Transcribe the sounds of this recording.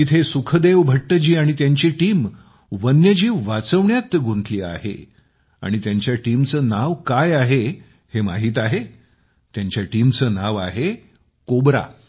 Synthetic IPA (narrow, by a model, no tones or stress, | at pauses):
it̪ʰesukʰəd̪eʋbʱəʈːəd͡ʑiːaɽ̃it̪jaɲt͡ɕiʈiːm | ʋənjəd͡ʑiːʋat͡səʋɳjat̪ɡʱunt̪ʰliːa̰ɦḛ | a̰ɽ̃it̪jaɲt͡ɕjaʈiːmt͡səːnaʋkajaɦe | hema̰ɦiːt̪aɦe | t̪jaɲt͡ɕjaʈimt͡səːnaʋa̰ɦe | kobɾa̰